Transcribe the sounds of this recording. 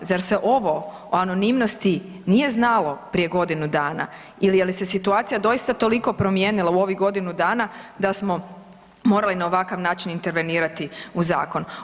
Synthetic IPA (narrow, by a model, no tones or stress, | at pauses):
zaɾseʔo̞ʋo̞ | ano̞nimnost̪i | nije̞znalo̞pɾije̞ɡo̞d̪inud̪aːna̰ | ilijelise̞sit̪uaːt̪sijad̪o̞jist̪at̪o̞liko̞pɾo̞mjeːnilˠauo̞ʋiɡo̞d̪inud̪aːnad̪asmo̞ | mo̞ːɾalinao̞ʋakaʋnaːt͡ʃinint̪e̞ɾʋe̞niːɾat̪iuza̰ːko̞n